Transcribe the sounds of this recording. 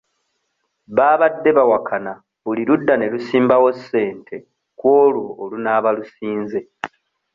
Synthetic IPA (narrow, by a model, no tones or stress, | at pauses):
βaːβadːe̞βawakʰana | βuliɾudːane̞lusiːmbawo̞sːe̞ːntʰe̞ | kwo̞ːlwo̞ːlunaːβalusiːnze̞